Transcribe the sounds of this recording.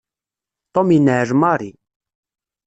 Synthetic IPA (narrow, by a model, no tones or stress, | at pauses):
t̪ˤominəʕʒmɑɾi